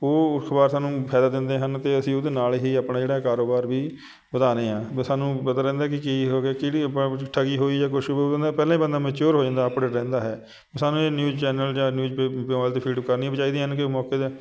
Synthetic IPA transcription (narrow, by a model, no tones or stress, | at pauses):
oːkʰbaːɾsaːnũːpʰɛːd̪aːd̪ɪ̃nd̪eːɦənt̪eːəsĩːʊd̪eːnaːlɦiːaːpnãːd͡ʒeːɽaːkaːɾoːbaːɾʋiː | bəd̪aːnẽːãːsaːnũːpət̪aːɾɛ̃ːnd̪aːkɪkiɦoːɡeːkɪɽiːpãʈʰəɡiːɦoːiːd͡ʒaːkʊʃod̪̃nd̪aːpɛːlãiːbənd̪aːmɛ̃ːt͡ʃoːɾɦoːd͡ʒãːnd̪aːəpɽeːɾɛ̃ːnd̪aːɦɛː | saːnũːeːnjuːd͡ʒt͡ʃɛːnəld͡ʒaːnjuːd͡ʒpeaːlt̪eːpʰiːɖkəɾniːbət͡ʃaːiːd̪iːɦənkɪoːmɔːkeːd̪eː